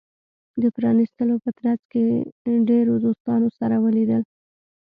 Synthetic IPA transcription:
d̪əpɾɑnist̪əlopət̪ɾazkeɖeɾod̪ost̪ɑnosaɾawəlid̪əl

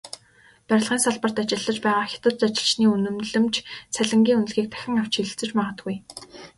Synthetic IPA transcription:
pæɾʲɪ̆ɮʁiːnsaɮpə̆r̥t̪at͡ɕɪ̆ɮːə̆t͡ɕpæːʁaːxʲḁt̪ə̆t̪t͡sat͡ɕɪ̆ɮt͡ɕniːunɵ̆mɮɘ̆mt͡ɕt͡sʰæɮʲɪ̆ŋɡʲiːŋunɵ̆ɮɣiːk̚t̪ʰæ̥xʲɪ̆ŋaw̥t͡ɕʰxiɮɘ̆ɬt͡sɘ̆t͡ɕmaʁə̆t̪ɡuj

